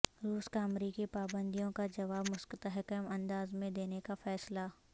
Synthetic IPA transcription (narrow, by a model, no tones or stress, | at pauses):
ɾuːskaɐmɾiːkipaːbə̃nd̪ijõkad͡ʒɐʋaːbmʊskt̪əɦəkəmɐ̃nd̪aːzmẽd̪eːnekafɛːsla